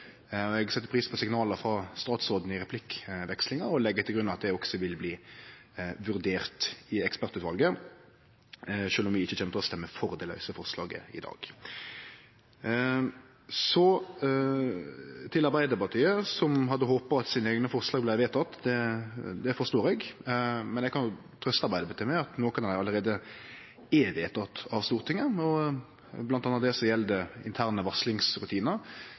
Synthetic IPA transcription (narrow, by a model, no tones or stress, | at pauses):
ɛɡsɛt̪ːəpʰɾiːspʰɔsɪŋnɑːləfɾɑst̪ɑːt̪sɔd̪nəɪɾɛpʰlɪkʋɛkslɪŋəɾɔlɛɡːət̪ʰɪlɡɾʉnɑʋɑt̪̚d̪ɛɔksɔʋɪlbliː | ʋʉɾd̪eːʁt̪ɪɛkspæʁt̪ʉːt̪ʋɑlɡə | ʃøːlɔmʋɪɪçːəçɛːmət̪ʰɪlɔst̪ɛmːəfɔʁd̪ɛlœ̰səfɔʁslɑːɡə̰ɪ̰d̪ɑ̰ːɡ̥ | sɔ | t̪ʰɪlɑɾʁbæɪd̪əpɑʁt̪ʰyːəsɔmɦɑd̪ːəɦoːpəɾɑt̪siːnəeɡnəfɔɾslɑːɡblæɪʋeːt̪ʰɑt̪ːd̪ɛd̪ɛfɔst̪oːɾɛɡmɛnɛɡkʰɑnʊt̪ʰʁœst̪ɑɾbæɪd̪əbət̪ʰøːmæɑt̪noːkɑnæɑlːəʁeːd̪ə | eʋeːt̪ʰɑt̪ːɑʋst̪uːʁt̪ʰɪŋəɔ | blɑnt̪ɑnːət̪d̪ɛsɔjɛld̪əɪ̰nt̪ʰæːʁɾnəʋɑslɪŋsɾʉt̪ʰiːnəɾ